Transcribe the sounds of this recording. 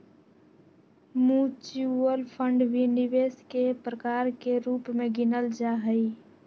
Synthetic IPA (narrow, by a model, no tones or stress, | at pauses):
mũt͡ʃuəlpʰəɳɖʋiniʋeskepɾəkaːɾkeɾuːpmẽɡɪnəld͡ʒaɦəi